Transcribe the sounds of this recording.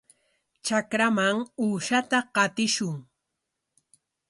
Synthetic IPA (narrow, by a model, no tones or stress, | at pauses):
t͡ʃakɾamaŋuːʃat̪aqɑt̪ɪʃʊŋ